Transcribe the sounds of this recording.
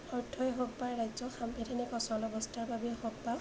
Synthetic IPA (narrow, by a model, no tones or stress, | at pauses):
ɔɹtʰːɔjɦɔk̚paɹɹajzɔxambɛtʰanɛkɔsɔlɔbɔstaɹbabɛhɔk̚paw